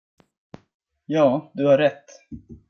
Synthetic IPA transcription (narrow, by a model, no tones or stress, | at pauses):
jɑːd̪ɵhaɾːɛt̪ː